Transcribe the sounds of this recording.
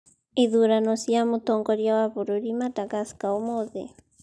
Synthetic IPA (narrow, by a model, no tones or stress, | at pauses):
iðuɾanosiamut̪oŋkoɾjawapuɾuɾimat̪akaskaumoðḛ